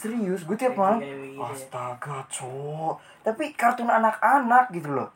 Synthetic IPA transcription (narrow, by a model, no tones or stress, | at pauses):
səɾiʊsɡut̪iapmaŋast̪aɡat͡ʃɔʔ | t̪apikart̪unanakanak̚ɡit̪ulɔ̰